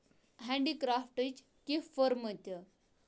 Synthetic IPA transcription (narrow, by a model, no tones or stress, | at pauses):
ɦɛ̃ɳɖikɾafʈət͡ɕ | kifəɾmət̪ə